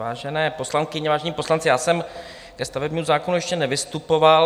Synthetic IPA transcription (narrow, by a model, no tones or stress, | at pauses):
va̰ːʒɛnɛːpo̞slaŋkɪɲɛvaːʒɛɲiːpo̞slant͡sɪjaːsɛm | kɛst̪avɛbɲiuzaːkonujɛʃcɛnɛvɪst̪upoval